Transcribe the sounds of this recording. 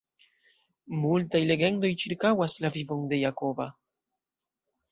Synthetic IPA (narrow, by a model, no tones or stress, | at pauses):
multajle̞ɡe̞ndo̞jt͡ʃiɾkawaslavivo̞nde̞jako̞va̰